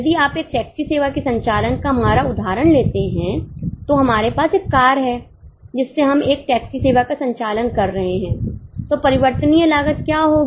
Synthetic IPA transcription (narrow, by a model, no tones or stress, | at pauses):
d̪iaːpeːk̚ʈɛːksiseːʋakisɐ̃ɲt͡ʃaːlənkaɦɐmaːɾaʊd̪ʱaːɾəɽleːt̪eɦɛ̃t̪oɦɐmaːɾepaːseːkːaːɾɦɛː | d͡ʒɪsːeɦɐmeːk̚ʈɛːksiseːʋakasɐ̃ɲt͡ʃaːlənkɐɾːɐɦeɦɛ̃ːt̪opɐɾɪʋəɾt̪ənijelaːɡət̪̚kjaːɦoːɡ